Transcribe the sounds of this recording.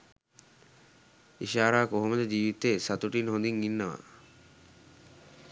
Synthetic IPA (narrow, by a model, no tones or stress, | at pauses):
iʃaːɾaːkoɦomed̪ed͡ʑiːʋit̪esat̪uʈinɦond̪iŋːinːaʋa̰